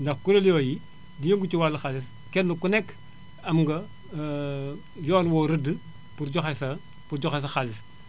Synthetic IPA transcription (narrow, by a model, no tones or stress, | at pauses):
ndɐxkuɾɐlijɔji | dijoŋɡut͡ʃuwalːɐxalis | kɛnlukunɛk | ɐmŋɡɐ | jɔːnwɔːɾədɨ | puɾd͡ʒɔxɐsɐ | puɾd͡ʒɔxɐs̬ɐxalis